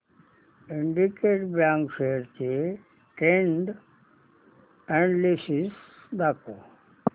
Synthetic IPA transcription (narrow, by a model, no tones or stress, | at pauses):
iɳɖikeʈbjãːŋkʃeɾke | ʈẽɳɖ | ɛ̃ɳɖlisis | d̪ako